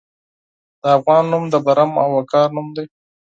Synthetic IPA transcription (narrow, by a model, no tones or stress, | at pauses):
d̪̥əafɣɑnːumd̪əbaɾama̰wakɑɾnumd̪ej